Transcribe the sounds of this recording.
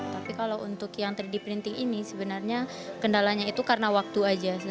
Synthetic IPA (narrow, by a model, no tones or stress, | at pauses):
t̪apikalawunt̪ʊkjaŋt̪ərdipɾint̪ɪŋinisəbənarɲa | kəndalaɲait̪ukarənawak̚t̪uad͡ʒa